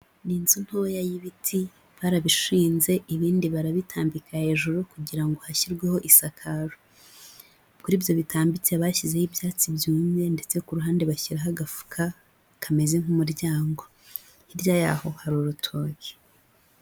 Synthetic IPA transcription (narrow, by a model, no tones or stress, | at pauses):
ninzun̥hoːjajiβitʰi | βaɾaβiʃiːnze̞ʔiβiːndiβaɾaβitʰaːmbikahe̞ːʒuɾukuɟiɾaŋɡo̞haçiɾɡweho̞ʔisakʰaɾo | kuɾiːβjo̞βitaːmbit͡seβaçize̞hibjaːt͡sibjuːɲze̞nde̞t͡se̞kuɾuɦaːndeβaçiɾaɦaɡafu̥kʰa | kʰame̞ze̞ŋ̥humuɾɟaːŋɡo̞ | hiɾɟajaho̞haɾuɾutʰo̞ːke̥